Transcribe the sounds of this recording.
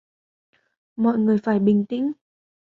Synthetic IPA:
mɔ̰˧˨jŋɨ˨˩əjfaː˧˩jɓï˨˩ŋ̟t̪ḭ̈˧˥ŋ̟

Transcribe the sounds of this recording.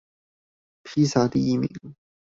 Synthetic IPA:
pʰiː˥saː˧˥t̪i˥jiː˧˩mḭ˨˩˦ŋ

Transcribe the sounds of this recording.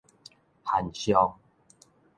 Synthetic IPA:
ha˨˩nɕjɔ˧ŋ

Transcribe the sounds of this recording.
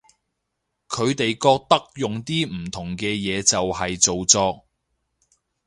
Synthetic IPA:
kʰɵ˨˧ɥt̪e˨jkɔː˧k̚t̪ɐ˥k̚jʊ˨ŋt̪iː˥m̩˨˩t̪ʰʊ˨˩ŋkɛː˧jɛː˨˧t͡sɐ˨whɐ˨jt͡so˨wt͡sɔː˧k̚

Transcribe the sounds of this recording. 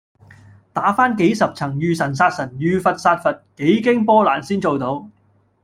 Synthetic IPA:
t̪aː˨˥faː˥nke˨˥jsɐ˨p̚t͡sʰɐ˨˩ŋjyː˨sɐ˨˩nsaː˧t̚sɐ˨˩njyː˨˧fɐ˨t̚saː˧t̚fɐ˨t̚ke˨˥jkɪ˥ŋpɔː˥laː˨˩nsiː˥nt͡so˨wt̪o˨˥w

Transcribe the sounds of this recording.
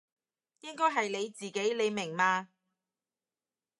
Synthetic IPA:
jɪ˥ŋkɔː˥jɦɐ˨jle˨˧jt͡siː˨ke˨˥jle˨˧jmɪ˨˩ŋmaː˧

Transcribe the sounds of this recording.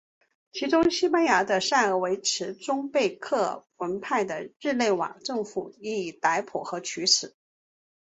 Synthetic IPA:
t͡ɕʰi˧˥ʈ͡ʂʊ˥ŋɕi˥pa˥nja˧˥d̪ə˧ʂa˥˩nə˞˧˥we˧˥ɪʈ͡ʂʰɻ̩˧˥ʈ͡ʂʊ˥ŋpe˥˧ɪkʰɤ˥˩wə˧˥npʰa˥˩ɪd̪ə˩ɻɻ̩˥˧le˥˩ɪwɑ̰˨˩ŋʈ͡ʂɤ˥˧ŋfu˨˩i˧˥i˨˩t̪a˧˥ɪpʰɔ˨˩xɤ˧˥t͡ɕʰy˧˥ʂɹ̩˨˩˦

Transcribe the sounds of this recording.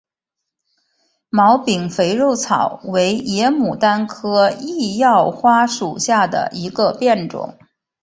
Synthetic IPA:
mɑ˧˥ʊpi˨˩ŋfe˧˥ɪɻo˥˩ʊt͡sʰɑ˨˩˦ʊwe˧˥ɪjɛ˧˥mu˨˩t̪a˥nkʰɤ˥i˥˧jɑ˥˩ʊxwa˥ʂu˨˩ɕja˥˩d̪ə̰˩ʔi˧˥ɡə˧pjɛ˥˩nʈ͡ʂʊ̰˨˩˦ŋ

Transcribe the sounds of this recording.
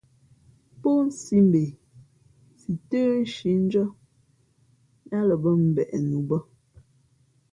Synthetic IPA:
po˦n̩˦si˦mbe˨ | si˨təː˦ʃi˨˦n̩˦d͡ʒɔ˦ | ja˦lə˨bə˦m̩˨bɛ˨ʔɛ˨nu˨bə˦

